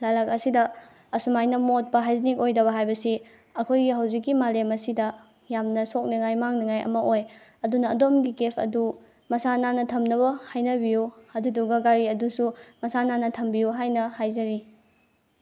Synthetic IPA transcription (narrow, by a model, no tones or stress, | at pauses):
lalakɐsidɐ | ɐsumajnɐmot̚pɐɦajzinikojdɐβɐɦajbɐsi | ɐkʰojɡiɦawzikːimalemɐsidɐ | jamnɐsok̚niŋajmaŋnɐŋajʔɐ̰mɐʔoj | ɐdunɐːdomɡikepʰɐ̰du | mɐsananɐtʰɐmnɐβɐhajnɐbijuɐduduɡɐɡaɾiɐdusumɐsananɐtʰɐmbijuɦajnɐhajzɐɾi